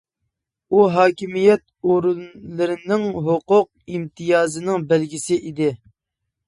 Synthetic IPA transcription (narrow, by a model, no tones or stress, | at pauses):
uɦɑːkʲimijɛt̪̚ | oɾunlɨɾɪnɪŋɦoqʊq̚imt̪ʰɨjɑːzɨnɪŋbælɡʲisɪʔid̪ɪ